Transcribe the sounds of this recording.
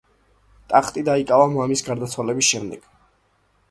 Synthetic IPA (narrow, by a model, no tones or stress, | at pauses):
t̪ʼaχt̪ʼid̪aikʼavamamisɡaɾd̪at̪sʰwalɛbisʃɛmd̪ɛɡ̥